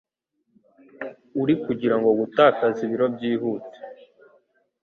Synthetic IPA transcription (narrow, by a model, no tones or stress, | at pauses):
uɾikuɟiɾaŋɡo̞ɡutaːkaziβiɾo̞bɟiːhuːte̥